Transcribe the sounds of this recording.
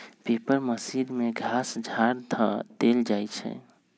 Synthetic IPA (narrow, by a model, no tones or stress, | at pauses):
pepəɾməsiɾmeɡʱasd͡ʒʱaɾd̪ʰʱəd̪eld͡ʒajt͡ʃʰɛ̰